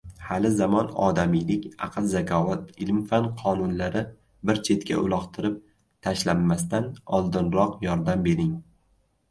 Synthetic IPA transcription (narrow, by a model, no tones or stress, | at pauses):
halɪzamɒnɒ̰d̪amijlɪkʲɑ̰qʰɨlˠzakʲʰɒvat̪ɪlmfanqʰɒnʊnlaɾɪ | bɪɾt͡ʃʰe̞t̪kʲʰa̰ʔʊ̰lˠɒqt̪ʰɪɾɪp̚ | t̪ʰaʃlamːast̪anɒlˠd̪ɪnɾɒqjɒɾd̪ambe̞ɾɪŋ